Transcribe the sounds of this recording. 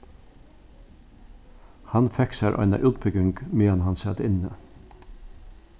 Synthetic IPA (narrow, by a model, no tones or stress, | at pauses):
hɑnfɛksæɾʔɔ̰ɪna̰ʔʉːt̪̚bʏɡɪŋkmeːɑnhɑnsɛt̪ɪnə